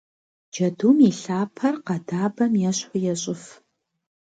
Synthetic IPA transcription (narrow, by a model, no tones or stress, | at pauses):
d͡ʒɐduːmiɬaːpʰɐrqɐdaːbɐmjɛɕħʷʊjɛɕʼɪf